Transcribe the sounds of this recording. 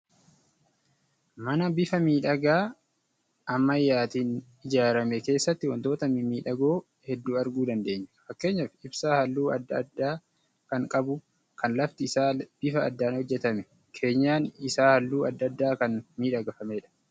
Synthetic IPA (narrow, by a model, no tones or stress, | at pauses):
mɐnɐbɪfɐmiːᶑɐɡaː | ʔɐmːɐjːaːt̪iːn | ɪd͡ʒaːɾɐmɛke̞ːsːɐt̪ːɪwɐnt̪o̞ːt̪ɐmimiːᶑɐɡo̞ː | hɛd̪ːuːɐɾɡuːd̪ɐnd̪e̞ːɲːɐ̥fɐkːe̞ːɲːɐfɪɪbsaːhɐlːuːɐd̪ːɐd̪ːaː | kɐŋkʼɐbʊ | kʰɐnlɐft̪ɪɪsaːb̥ɪfɐːd̪ːaːnhɔd͡ʒːɛt̪ɐmɛ | kʰe̞ːɲːaːnɪsaːhɐlːuːɐd̪ːɐd̪ːaːkɐnmiːᶑɐɡɐfɐmeːᶑɐ̥